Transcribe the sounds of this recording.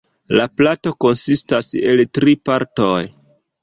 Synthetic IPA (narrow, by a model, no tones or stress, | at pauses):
laplato̞ko̞nsistase̞ltɾipaɾtoj